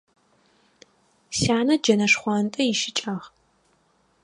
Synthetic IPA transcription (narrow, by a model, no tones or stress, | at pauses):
saːnɐd͡ʒɐnɐʂχʷɔntʼɐjɪʃɪt͡ʃʼɐʁ